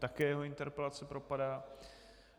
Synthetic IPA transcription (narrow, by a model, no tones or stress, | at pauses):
t̪akɛːjɛɦoɪnt̪ɛɾpɛlat͡sɛpɾopadaː